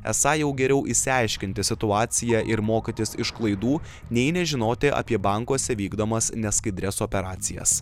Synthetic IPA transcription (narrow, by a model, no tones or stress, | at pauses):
ɛ̰sɑːjɛʊɡʲɛɾʲɛʊʔɪsʲɪɑɪʃʲkʲɪnʲt̪ʲɪsʲɪt̪ʊɑːt̪sʲɪjæʔɪɾmoːkʲit̪ʲɪsɪʃklˠɐɪd̪uː | nʲɛɪnʲɛʒʲɪnoːt̪ʲɪʔɐ̰pʲiɛbɑˑŋkuːsʲɛʋʲiːɡd̪oːmɐsnʲɛskɐɪd̪ʲɾʲɛsoːpʲɛɾɑːt̪sʲɪjɛ̰s